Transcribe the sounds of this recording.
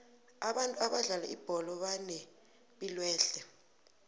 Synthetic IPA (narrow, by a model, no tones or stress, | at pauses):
aɓantʼuaɓaɮalaʔib̥ʱɔlɔɓanɛ | ɓilwɛːɬɛ